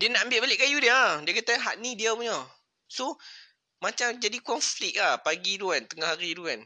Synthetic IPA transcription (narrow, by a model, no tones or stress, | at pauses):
diənaʔəmbɪʔbalɪʔkajudiadiəkat̪aɦaʔnĩdiamuɲɔ | so | mat͡ʃamd͡ʒadikɔnflɪk̚lahpaɡiduant̪əŋahaɾiduan